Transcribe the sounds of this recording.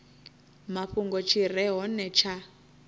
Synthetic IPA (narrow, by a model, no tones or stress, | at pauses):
maɸuŋɡɔt͡ʃʰirɛɦɔnɛt͡ʃʰa